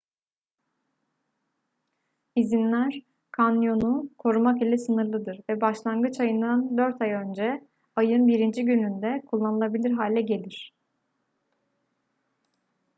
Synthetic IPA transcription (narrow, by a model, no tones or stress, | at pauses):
izinlʲæɾ̥ | kʰanjo̞nukʰo̞ɾumakilʲɛsɯnɯɾlˠɯd̪ɯɾvɛbaʃlˠanɡɯt͡ʃajɯnd̪and̪ø̞ɾt̪ʰajø̞nd͡ʒɛ | ajɯnbiɾind͡ʒiɟynynd̪ɛkʰulˠːanɯlˠabilʲiɾɦaːlʲɛɟe̞lʲiɾ̥